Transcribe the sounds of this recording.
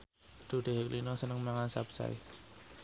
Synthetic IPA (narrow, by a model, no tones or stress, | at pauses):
d̪̥ṳɖ̥e̤ɦeklinɔsənəŋmaŋansapsa̰ḭ